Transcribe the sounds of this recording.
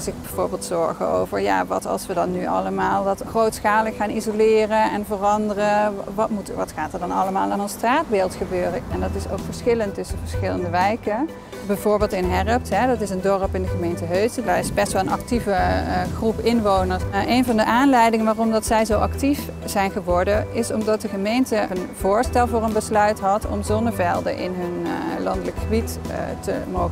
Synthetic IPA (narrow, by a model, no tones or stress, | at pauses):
sɪkbɛjvoːɹbeːlˠtsɔɹχə̰o̰wvəɹja̰ːʋɑ̰tɑ̰lˠsʋədɑnːyʔɑ̰ləmaːlˠdɑtxrowtsχaːləkxaːnizolɪːrəɛnvərɑndərəʋɑtmutʋɑtxaːtəɹdɑnɑləmaːlˠanənstraːd̚beːlˠtxəbøːrəɛndɑtɪso̰wkfəɹsxɪləntɵsəvəɹsxɪləndəʋɛjkə | bɛjvʊːɹbɪːlˠtɪnɦɛrəp̚tɦɛdɑtɪsəndɔrəpɪndəɣəmejntəɦøɥsdarɪsbɛstʋɛlˠənɑ̰k̚tivəχrupɪnʋownəɹsʔejnvɑndəʔaːnlɛjdɪŋənʋaːrɔmdɑtsɛjzowʔɑ̰ktif | z̥ɛjnχəʋɔɹdəɪsɔmdɑt̚dəχəmejntəənv̥ʊːɹstɛlˠvʊːrənbəslœɥtɦɑtʰɔ̰mzɔnəvɛlˠdə̰ʔɪ̰nɦɵnlɑndələkxəbittə̰mowxə